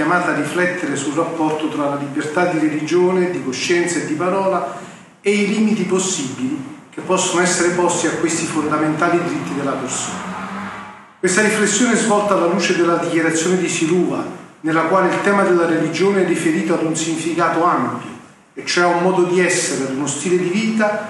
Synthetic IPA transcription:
jamaːt̪arːiflɛt̪ːeɾesulrapːɔrt̪ot̪ɾalalibert̪ad̪ːiɾelid͡ʒoːned̪ikoʃːɛnt̪saed̪ːipaɾɔːla | eiliːmit̪iposːibːilikepːɔsːonoɛsːeɾepɔst̪iakwest̪ifond̪ament̪aːlid̪iɾit̪ːid̪elːaperso̰ːna | kwest̪aɾiflesːjoːneɛzvɔlt̪aːlːaluːt͡ʃed̪elːad̪ikjaɾat̪sːjoːned̪isiluːva̰nelːakwaːleilt̪ɛːmad̪elːaɾelid͡ʒoːneɛrːifeɾiːt̪oad̪unsiɲːifikaːt̪oampjo̰ | et͡ʃːoɛumːɔːd̪od̪iɛsːeɾead̪unost̪iːled̪iviːt̪a

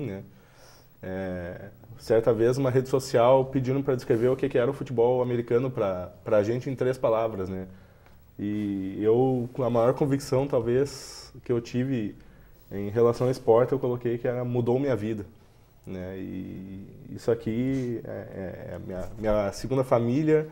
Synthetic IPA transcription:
nɛ | ɛ | sɛɾt̪ɐvezũmɐɦed͡ʒɪsosiawpɪd͡ʒĩd̪ʊmɪpɾɐd̪ɪskɾeveɾʊkekɪɛɾɐʊfut͡ʃɪbɔwameɾikɐ̃nʊpɾɐpɾɐːʒẽnt͡ʃɪẽt̪ɾespalavɾɐznɛ | ɪewkɐmajɔɾkõviksɐ̃w̃t̪awveskɪewt͡ʃivɪ | ẽj̃ɦelasɐ̃w̃ɐɪspɔɾt͡ʃɪewkolokejkɪɛɾɐmud̪owmĩɲɐvid̪ɐ | nɛɪ̰ | ḭsʊakʰiɛ̰ɛ̰ɛ̰mĩɐmĩɲɐseɡũnd̪ɐfamilʲiɐ

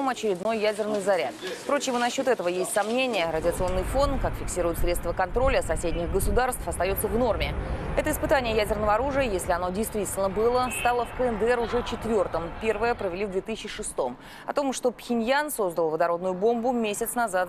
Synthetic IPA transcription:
mɐt͡ɕɪɾʲɪd̪no̞jːædʲɪrnɨjzɐɾʲa̰t̪pɾo̞t͡ɕɪmnɐɕːo̞t̪ɛt̪əvəjesʲtʲsɐmnʲenʲɪjəɾədʲɪəɐt̪sɨo̞nːɨjfo̞ndt̪kakfʲɪksʲiɾʊjʊt̪sɾʲe̞t̪st̪vəkɐnt̪ɾo̞lʲəsɐsʲedʲnʲɪɣɡəsʊd̪arst̪fɐst̪ɐjo̞t̪səvno̞rmʲɪɛt̪əɪspɨt̪anʲɪjəjædʲɪrnəvəɐɾuʐɨjəjesʲlʲɪɐno̞dʲɪjst̪vʲitʲɪlʲnəbɨlˠəst̪alˠəfkəɛnd̪əɛɾʊʐɛt͡ɕɪt̪vʲo̞rt̪əmpʲe̞rvəjəpɾəvʲɪlʲivd̪vʲet̪ɨsʲɪɕt͡ɕɪʂɨst̪o̞m | ɐ̰t̪o̞mʂt̪o̞pxʲɪnʲjanso̞zd̪əlˠvəd̪ɐɾo̞d̪nʊjʊbo̞mbʊmʲesʲɪt̪snɐzat̪

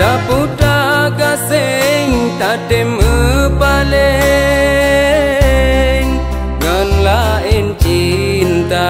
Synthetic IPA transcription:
apuʈaɡaseŋt̪aʈemɯpale | ŋ | ɡanlaent͡ʃi | nt̪a

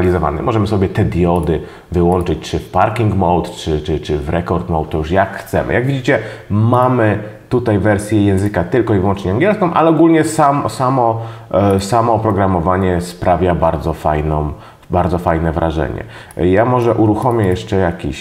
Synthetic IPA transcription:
alʲizɔva̰nɛ̰mʔɔʐɛmɘsɔbʲjɛt̪ɛd̪ʲjɔd̪ɘ | vɘwɔnt͡ʂɘt͡ɕt͡ʂɘfpaɾkʲiŋɡmɔwt̪t͡ʂɘt͡ʂɘt͡ʂɘvɾɛkɔɾt̪mɔwt̪̚t̪ːɔjuʂjakxt̪sɛ̰mɘ̰jaɡvʲid͡ʑit͡ɕɛmamɘt̪ut̪ajvɛɾsʲjɛjɛ̃w̃zɘkat̪ɘlkɔivwɔnt͡ʂɲɛaŋɡʲjɛlskɔ̃w̃ʔalɛɔɡulɲɛsamɔsamɔ | samɔpɾɔɡɾamɔvaɲɛspɾavʲjabaɾd̪zɔfa̰jnɔ̃m | baɾd̪zɔfajnɛvɾʔaʐɛ̰ɲɛ̰ | jamɔʐɛʔuɾuxɔmʲjɛjɛʂt͡ʂɛjakʲḭɕ

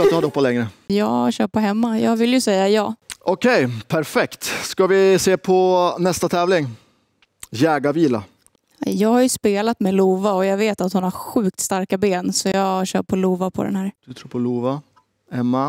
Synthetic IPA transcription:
nɵhad̪əhɔpːalɛŋɾəjɑːɕœːʈ̚pʰɔɦɛmːajɑːɡvɪlːjɵsɛjːajɑːʔɔkʰɛjpʰæɾfɛkt̪skavɪseːpʰɔnɛst̪at̪ʰɛːvlɪŋ | jɛːɡaviːla̰ | jɑːɡhaɾjɵspeːlat̪mɛluːvaɔjɑːɡveːt̪at̪hʊnhaɾɧʉ̟ːk̚t̪st̪aɾkabeːnsɔjɑːɕœ̰ːʈ̚pʰɔluːvapʰɔ̰d̪ɛ̰nɦæːɾd̪̥ɵt̪ʰɾuːɾpʰɔluːva | hɛmːa

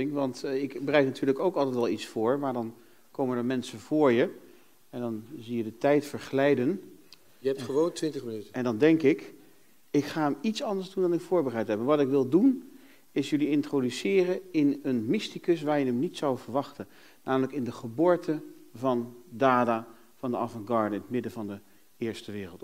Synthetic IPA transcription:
ɪŋʋɑntɪkbərɛjtnatyːɹləkowkɑlˠtɛjtʋɛlˠitsfʊːɹmaːɹdɑn | kowməndəɹmɛnsəv̥ʊːɹjə | ɛndɑnzijədətɛjtfəɹχəlɛjdən | jəɛptχəʋowntʋɪntəχmənytɛndɑndɛŋkɪk | ɪkχaːəmitsɑndəɹzdundɑnɪkfʊːɹbərajtɦɛpmaːɹʋɑtɪkʋɪlˠdun | ɪsjɵliɪntrodysɪːrəɪnənmɪstikɵsʋaːɹjənəmnitsɔwvəɹʋɑχtən | naːmələkɪndəχəboːɹtʰəvɑndaːdaː | v̥ɑndəɑvɑŋɡɑɹdəɪnətmɪdənvɑndə | ɪːɹstəʋɪːrəlˠt

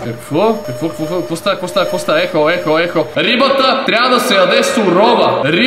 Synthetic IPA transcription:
kɐkvɔkɐkvɔkvɔokvɔst̪akfɔst̪akfɔst̪aɛxɔɛxɔɛxɔɾibɐt̪ɐt̪ɾʲabɐd̪ɐsɛjɐd̪ɛsʊɾɔbɐɾi

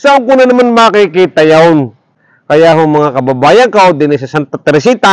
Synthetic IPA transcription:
saʔoŋkʊnanɐmanmakikit̪ɐjaʊn | kɐjaɦʊŋmɐŋakɐbabaːjɐŋkaʔod̪ɪnɪs̬ɐsant̪at̪ɾɪsit̪a

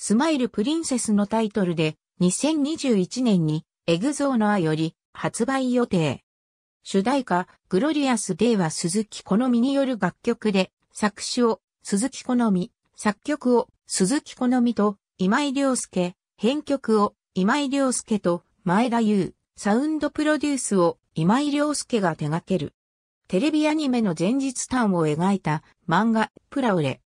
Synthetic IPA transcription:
sɨmaiɾɯ̟pɯ̟ɾʲĩɰ̃se̞sɨno̞t̪ait̪o̞ɾɯ̟d̪e̞ | ɲ̟isẽ̞ɲ̟ːiʑɨːit͡ɕinẽ̞ɲ̟ːi | e̞ɡɯ̟zo̞ːnoajo̞ɾʲi | hat͡sɨbaijo̞t̪e̞ː | ɕɨd̪aika | ɡ̥ɯ̟ɾo̞ɾʲiasɨd̪e̞βasɨzɨkʲi̥ko̞no̞mʲiɲ̟ijo̞ɾɯ̟ɡakʲːo̞kɯ̟d̪e̞ | sakɯ̟̥ɕio̞ | sɨzɨkʲi̥ko̞no̞mʲi | sakʲːo̞kɯ̟o̞ | sɨzɨkʲi̥ko̞no̞mʲit̪o̞ | imaiɾʲo̞ːsɨ̥ke̞ | hẽ̞ŋkʲo̞kɯ̟o̞ | imaiɾʲo̞ːsɨ̥ke̞t̪o̞ | mae̞d̪ajɯː | saɯ̟̃nd̪o̞pɯ̟ɾo̞d̪ʲɨːsɨo̞ | imaiɾʲjo̞ːsɨ̥ke̞ɡat̪e̞ɡake̞ɾɯ̟̰ | t̪e̞ɾe̞bʲiaɲ̟ime̞no̞zẽ̞ɲ̟d͡ʑit͡sɨ̥t̪ãɰ̃o̞e̞ɡaet̪a | mãŋɡapɯ̟ɾaɯɾe̞̰

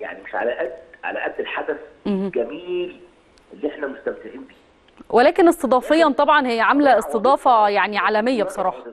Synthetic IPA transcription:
ja̰ʕnimeʃʕa̰læʔæd̪ʕa̰læʔæd̪ːelħad̪æθhɡæmiːl | ʔelːiʔeħnæmost̪æmt̪ɪʕiːnbiː | welæːkenesˤt̪ed̪ˤɑːfejːɑnt̪ˤɑbʕɑnhejːæʕamlæesˤt̪ed̪ˤɑːfɑjaʕniʕaːlæmejːæbesˤɑɾˤɑːħɑ

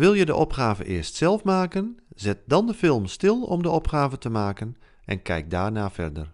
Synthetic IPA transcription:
ʋɪlˠjədəʔɔpxaːvəʔɪːɹstsɛlˠfmaːkənzɪt̚dɑndəfɪlˠmstɪlˠɔ̰mdəɔpχaːvətəmaːkən | ʔɛ̰nkʰɛ̰jk̚daːɹnaːfɛ̰rdər

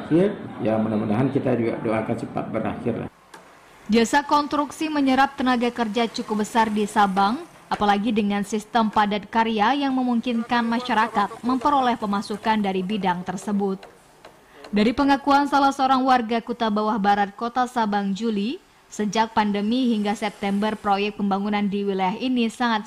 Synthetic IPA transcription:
kɪrjamənamənaɦankit̪ad͡ʒuɡa̰doakant͡ʃəpa̰t̪̚bəɾa̰xɪra̰ | biasakɔnst̪ɾuksiməɲəɾap̚t̪ənaɡakərd͡ʒat͡ʃukup̚bəsardisabaŋ | ʔapalaɡidəŋansist̪əmpadat̪̚kaɾiajaŋməmuŋkinkanmaʃaɾakat̪̚məmpəɾolɛhpəmasukandaɾibidaŋt̪ərsəbʊt̪̚ | daɾipəŋakuansalahsəoɾaŋwarɡakut̪abawahbaɾat̪̚kot̪asabaŋd͡ʒuli | səd͡ʒak̚pandəmiɦiŋɡasɛp̚t̪ɛmbərpɾojɛk̪̚pəmbaŋunandiwilajaɦinisaŋat̪̚

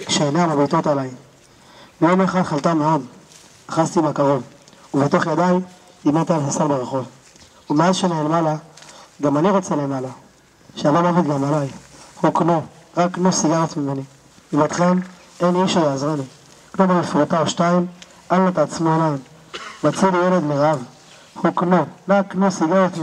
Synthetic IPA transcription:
kʃeenalabit̪o̞t̪alai | bijomeχaχalt̪ame̞o̞d̪ | aχazt̪ibakaʁo̞vuvet̪o̞χjad̪aj | imat̪alhasalbeʁeχo̞v | umeazʃenaelmalaɡamaniʁo̞t͡sele̞mala | ʃeabamavit̪ɡamalajhuknoʁakːnosiɡaʁet̪mimeni | vibat̪χem | eniʃajeazʁeni | knomamifʁut̪aoʃtaim | ʔalnat̪ːt͡smoelaim | mat͡sidijeled̪miʁav | huknoʁaknosiɡaʁet̪

